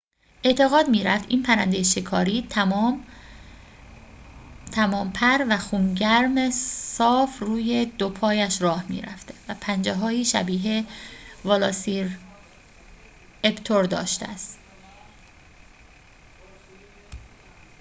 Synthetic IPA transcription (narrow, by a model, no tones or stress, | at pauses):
ʔe̞ʔt̪ʰe̞ɣɒːd̪miːɾæft̪iːnpʰæɾænd̪ejeʃekʰɒːɾiː | t̪ʰæmɒːmpʰæɾvæxuːnɟæɾmesɒːfruːje̞d̪opʰɒːjæʃɾɒːhmḭːɾæ̰ft̪evæpʰænd͡ʒeɦɒːiːʃæbiːɦevɒlɒsiɾ | ebt̪ʰoɾd̪ɒ̰ːʃt̪æ̰st̪